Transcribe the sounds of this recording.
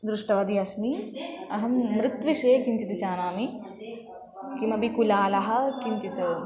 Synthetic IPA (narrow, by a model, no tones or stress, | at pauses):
d̪ɾuʂʈɐʋɐd̪iɐsmiɐɦɐmːɾɪt̪ʋiʃeːkiɲt͡ʃit̪it͡ʃaːnaːmi | kimɐbikulaːlɐɦɐ̆kiɲt͡ʃit̪ɐ